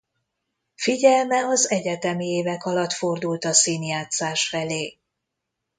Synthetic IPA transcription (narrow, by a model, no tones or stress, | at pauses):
fiɟɛlmɛɒzɛɟɛt̪ɛmieːvɛkɒlɒt̪fo̞rd̪ult̪ɒsiːnjaːt̪saːʃfɛleː